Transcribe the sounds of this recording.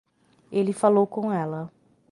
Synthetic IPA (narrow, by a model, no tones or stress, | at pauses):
elɪfalowkõɛlɐ